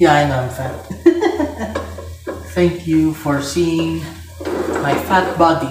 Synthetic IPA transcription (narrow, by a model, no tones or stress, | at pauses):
jaãɪ̃nõɱfæt | θɛ̃ŋkʰjufɔɹsiɪ̃ŋ | maɪfæt̚bɑdi